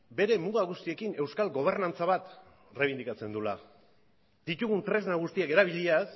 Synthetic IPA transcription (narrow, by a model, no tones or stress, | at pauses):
be̞ɾe̞muɣaɣust̪ie̞kine̞wskalɡo̞β̞e̞ɾnant͡saβ̞at̪ | reβind̪ikat͡se̞nd̪ula̰ | d̪it̪uɣunt̪ɾe̞znaɣust̪iake̞ɾaβ̞iʎias